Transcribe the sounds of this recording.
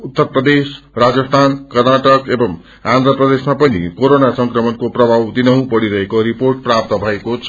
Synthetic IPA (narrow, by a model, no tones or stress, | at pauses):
ut̪ːʌrprʌd̪esrad͡zʌst̪ʰankʌrnaʈʌkebʌm | and̪ɾʌprʌd̪esmapʌnḭkoɾonasʌŋkrʌmʌnkoprʌbʱawd̪inʌw̃bʌɽiɾʌɦekoɾiporʈ̚prap̚t̪ʌbʱʌekot͡sʰ